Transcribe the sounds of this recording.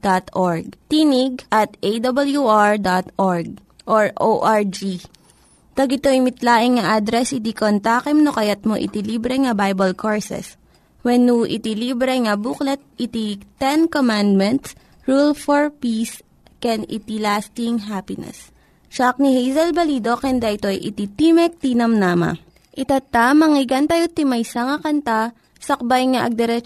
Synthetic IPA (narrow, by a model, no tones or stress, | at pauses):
d̪̥at̪ʔoɹɡ̚t̪iniɡ̚ʔɐt̪ʔejd̪ɐbɐljuʔaɹd̪at̪ʔoɹɡ̚ | ʔoɹʔoʔaɹd͡ʒi | t̪ɐɡɪt̪oɪmɪt̪laːʔɪŋŋɐʔad̪ɾɛsɪt̪ikont̪aːkɛmnokɐjɐt̪̚moʔɪ̰t̪iliːbɾɛŋɐbajbɐlkoɹsɛ̰s | wɛnːuʔɪ̰t̪ilibɾɛŋɐbuklɛt̪̚ɪt̪it̪ɛnkomand̪̚mɛnt̪s | ɹulfoɹpis | kɛnɪ̰t̪ilast̪ɪŋɦapɪnɛ̰s | t͡ʃak̚nihejzɐlbɐlid̪o̞kɛnd̪ɐʔɪt̪o̞jʔɪ̰t̪it̪imɛk̚t̪iːnɐmnaːma̰ | ʔɪt̪at̪amɐŋɪɡɐnt̪ɐjot̪ɪmɐjsɐŋɐkɐnt̪a | sɐk̚bajŋɐʔɐ̰ɡ̚d̪ɛɾɛ